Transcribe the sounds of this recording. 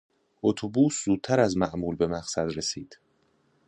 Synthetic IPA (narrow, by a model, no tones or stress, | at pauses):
ʔot̪ʰobuːszuːd̪̚t̪ʰæɾæzmæʔmuːlbe̞mæɣsæd̪ɾesiːd̪̥